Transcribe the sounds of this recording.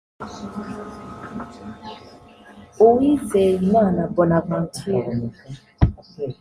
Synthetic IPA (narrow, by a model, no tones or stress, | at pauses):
owizɛjinanabɔnaban̩tʰia